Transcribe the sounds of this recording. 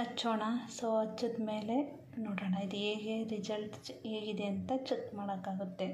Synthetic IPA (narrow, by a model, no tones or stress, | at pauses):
ɐt͡ʃʰːoːɳɐsɐɐt͡ʃːɐd̪meːle | noːɽɐːɳɐid̪eːɡeɾid͡ʒɐlʈeːɡid̪e̞ɐnt̪ɐt͡ʃekmaːɽɐkaːɡut̪ːe̞